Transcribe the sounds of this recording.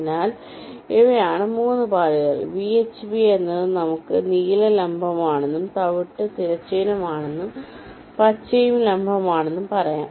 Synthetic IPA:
naːl | eʋɐjaːɳɨmuːnːɨbaːliɣɐ̰ɭʋiet͡ɕːbienːɐðɨnɐmukːɨniːlɐlɐmbʱɐmaːɳenːumt̪ɐʋiʈːɨt̪iɾɐt͡ɕːeːnɐmaːɳe̞nːum | pɐt͡ɕːɐjumlɐmbʱɐmaːɳe̞nːumpɐrɐja̰ː

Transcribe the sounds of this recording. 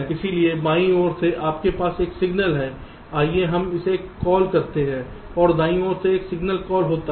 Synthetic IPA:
ɪsiliebaːĩoːɾseʔaːpkepaːseːksɪɡnəlɦɛː | aːieɦɐmɪseːkːɔːlkɐɾt̪eɦɛ̃ː | ɔːɾd̪aːĩoːɾseːksɪɡnəlkɔːlɦoːt̪a

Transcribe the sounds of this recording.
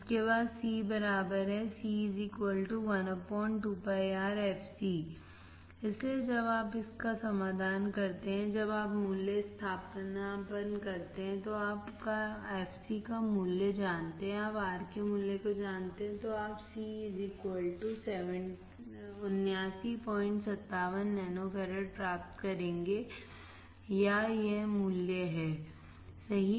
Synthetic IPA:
ɪskebaːd̪siːbɐɾaːbəɾɦɛsiːzikwəlʈuʋɐnəpɔ̃ːɪɳʈupajaːɾɛːfʰsi | ɪslied͡ʒɐbaːpɪskasɐmaːd̪ʱaːnkɐɾt̪eɦɛ̃d͡ʒɐbaːpmuːlːest̪ʰaːpnapənkɐɾt̪eɦɛ̃t̪oaːpkaɛːfʰsikamʊljəd͡ʒaːnt̪eɦɛ̃aːpaːɾkemʊljekod͡ʒaːnt̪eɦɛ̃t̪oaːpsiːzikwəlʈusɛʋə̃ɳ | ʊnjaːsipɔːɪ̃ɳʈsɐt̪ːaːʋənːɛːnofʰɛːɾəɾpɾaːp̚t̪kɐɾẽːŋɡe | jajemʊljeɦɛː | sɐɦi

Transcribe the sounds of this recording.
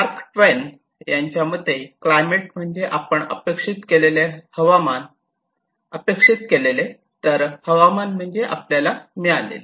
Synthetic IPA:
aɾkʈʋen | jaɲt͡ɕjamət̪eklajmeʈ̚m̤əɳd͡zeʔapəɳə̰pekʂit̪kelelehəʋaman | əpekʂit̪kelele | t̪əɾhəʋamanm̤əɳd͡zeʔa̰pljalamiɭalḛl

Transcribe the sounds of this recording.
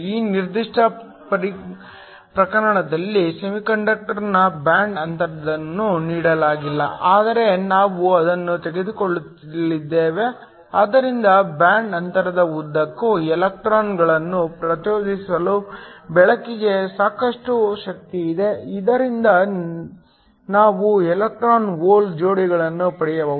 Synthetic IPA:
iːniɾd̪iʂʈʰɐ | pɐɾi | pɾɐkɐɾɐɳɐd̪ɐlːisemikɐɳɖɐk̚ʈɐɾnɐbjaːɳɖɐnt̪ɐɾɐd̪ɐnːuniːɽɐlaːɡilːɐ̰ʔaːd̪ɐɾe̞naːʋuɐd̪ɐnːut̪eɡe̞d̪ukoɭːt̪ | lid̪ːeːʋe̞ | aːd̪ɐɾind̪ɐbjaːɳɖɐnt̪ɐɾɐd̪ɐud̪ːɐkːuɛlɐk̚ʈɾaːnɡɐɭɐnːupɾɐt̪joːd͡ʒisɐlubɛɭɐkːiɡe̞saːkɐʂʈuʃɐk̚t̪iːd̪e̞id̪ɐɾind̪ɐ | naːʋuɛlɐk̚ʈɾaːnoːld͡ʒo̞ːɽiɡɐɭɐnːupɐɽɛjɐʋɐː

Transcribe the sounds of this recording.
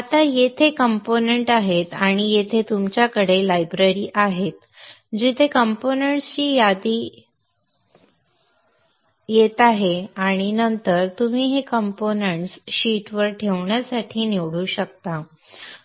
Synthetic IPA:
at̪ajet̪ʰekəmponeɳʈaɦet̪aɽ̃ijet̪ʰet̪umt͡ɕjakəɽelajbɾeɾiːʔaɦet̪ | d͡ʑit̪ʰekəmponeɳʈst͡ɕiːjad̪iː | jet̪aɦeaɽ̃inənt̪əɾt̪um̤iːɦekəmponeɳʈsɕiʈʋəɾʈʰeʋɳjasaʈʰiːniʋɽuːɕək̚t̪a

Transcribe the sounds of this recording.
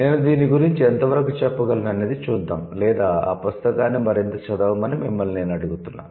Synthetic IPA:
neːnud̪iːniɡuɾiɲt͡ʃiɛnt̪ɐʋɐɾɐkut͡ʃɛpːɐɡɐlɐnɐneːd̪it͡ʃuːd̪ːa̰ːmlɛːd̪aːa̰ːpɐst̪ɐkaːnːimɐɾint̪ɐt͡ʃɐd̪ɐʋumɐnimimːɐlne̞ːnɐɽuɡut̪unːa̰ːm

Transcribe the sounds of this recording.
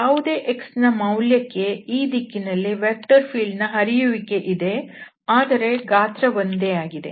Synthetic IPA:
jaːʋud̪e̞ːʔeksnɐmɐwljɐkːe̞iːd̪ikːinɐlːiʋeːk̚ʈɐɾpʰiːɭɖnɐɦɐɾijuʋike̞ʔid̪e̞ | aːd̪ɐɾe̞ɡaːt̪ɾɐʋond̪eaːɡid̪e̞̰

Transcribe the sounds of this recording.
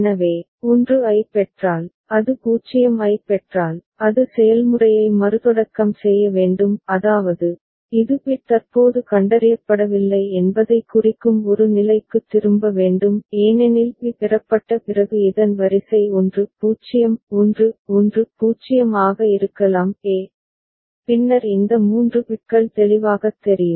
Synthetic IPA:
nɐʋeː | ɔndrɯɐɪpːɛʈraːl | ɐðɯpuːt͡ʃːɪjɐmɐɪpːɛʈraːl | ɐðɯsɛjɐlmɯrɐjɐɪmɐɾɯðɔɽɐkːɐmsɛjːɐʋeːɳɖɯmɐðaːʋɐðɯ | ɪðɯpɪt̪ɐrpoːðɯkɐɳɖɐɾɪjɐpːɐɽɐʋɪlːɐɪɛnbɐðɐɪkːʊrɪkːɯmɔɾɯnɪlɐɪkːɯt̪ːɪɾɯmbɐʋeːɳɖɯmeːnenɪlpipɪrɐpːɐʈːɐpɪrɐɣɯɪðɐnʋɐɾɪsɐɪɔndrɯpuːt͡ʃːɪjɐmɔndrɯɔndrɯpuːt͡ʃːɪjɐmaːɣɐɪɾɯkːɐlaːmeː | pɪnːɐɾɪnd̪ɐmuːndrɯpɪʈ̚kɐɭt̪ɛɭɪʋaːɣɐt̪ːɛɾɪjɯm

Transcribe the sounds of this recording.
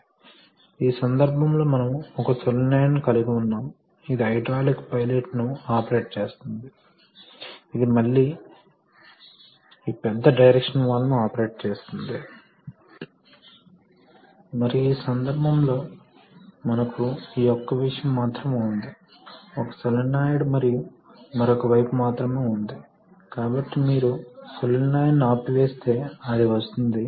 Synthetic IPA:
iːsɐnd̪ɐɾbʱɐmlo̞ːmɐnɐmɔkɐsolɐneːjɐnːikɐliɡiunːaːm | id̪iɐjɖɾaːlikpɐjleʈnuaːpɐɾe̞ːʈ̚t͡ʃe̞ːst̪und̪i | id̪imɐɭːiː | iːpɛd̪ːɐɖɐjɾekʂɐnʋaːlːɐnuaːpɐɾe̞ːʈ̚t͡ʃe̞ːst̪und̪i | mɐɾijuiːsɐnd̪ɐɾbʱɐmlo̞ː | mɐnɐkuiːɔkːɐʋiʂɐjɐmːaːt̪ɾɐmeːund̪i | ɔkɐ̥sɐlɐnːaːjiɽumɐɾiju | mɐɾɔkɐʋɐjpumaːt̪ɾɐme̞ːund̪i | kaːbɐʈːimiːɾusɐlɐnːaːjinːiaːpuʋe̞ːst̪e̞ːaɽiʋɐst̪und̪i

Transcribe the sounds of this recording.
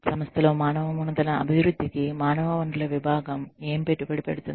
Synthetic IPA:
sɐmɐst̪ʰɐlo̞ːmaːnɐʋɐmunːɐd̪ɐlɐɐ̰bʱiʋɾud̪ʱːikimaːnɐʋɐʋɐɳʈulɐʋibʱaːɡɐme̞ːmipeʈːupeɽipeɽut̪und̪i

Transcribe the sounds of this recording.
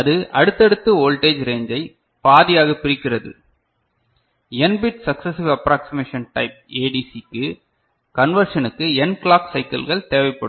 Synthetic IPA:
ɐðɯʔɐɽɯt̪ːɐɽɯt̪ːɯoːlʈeːd͡ʒɾeːɲd͡ʒɐɪ | paːðɪjaːɣɐpːɪɾɪkːɪrɐðɯ̰ | ɛnbɪʈsɐksɐsɪʋɐpɾaːksɪmeːʂɐnʈɐɪp̚eːɖisikːɯ | kɐnʋɐɾʂɐnɯkːɯɛnkɭaːksɐɪkɐ̰lɣɐɭt̪eːʋɐɪpːɐɽɯ

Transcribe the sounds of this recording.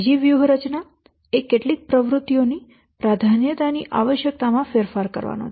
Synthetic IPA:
d͡ʒiʋjuɦɾət͡ʃna | ekːeʈlik̚pɾəʋɾut̪ːjoni | pɾad̪ʱanjət̪aniʔa̰ʋəʃjək̚t̪amãfeɾfaɾkə̰ɾʋa̰no̰ɦt̪

